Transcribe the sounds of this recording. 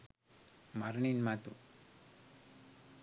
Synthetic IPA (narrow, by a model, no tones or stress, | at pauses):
maɾɳinmat̪u